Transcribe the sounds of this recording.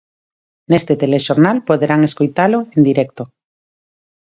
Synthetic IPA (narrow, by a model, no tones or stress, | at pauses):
nest̪et̪eleʃoɾnalpoðeɾaŋeskojt̪aloend̪iɾɛkt̪o